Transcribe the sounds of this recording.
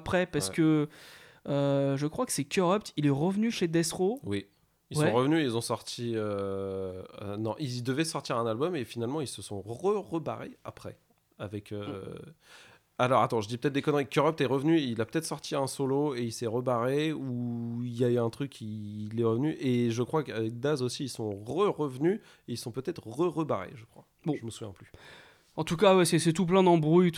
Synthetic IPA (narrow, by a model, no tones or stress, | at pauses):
pχɛpaʁsəkə | øʒəkχwakə̥sɛkʲøʁɔpt̪ilɛʁəvnyʃed̪ɛsχowi | ilsɛɔ̃ʁəvnyilzɔ̃sɔʁt̪ʰiø | nɔ̃ʔild̪əvɛsɔʁt̪iʁɛ̃nalbɔmefinalmɑ̃ilsəsɔ̃ʁəʁəba̰ʁḛa̰pχɛ̰ | avɛkʰø | alɔʁa̰t̪ɑ̃ʒəd̪ipə̥t̪ɛt̪̚d̪ekɔnʁikkːøʁɔp̚t̪ɛʁəvnyilapə̥t̪ɛt̪χsɔʁt̪ʰiɛ̃soloeilsɛʁəbaʁeuiljayɛ̃t̪χykʲʰːilɛʁəvnyʔeʒəkχwakavɛk̚d̪azosiːlsɔ̃ʁəʁəvny | eilsɔ̃pøt̪ɛt̪χʁəʁəba̰ʁḛʒəkχwa | b̃ʒəməsuvjɛ̰̃ply | ɑ̃t̪ukawɛsɛsɛt̪up̬lɛ̃d̪ɑ̃bʁujt̪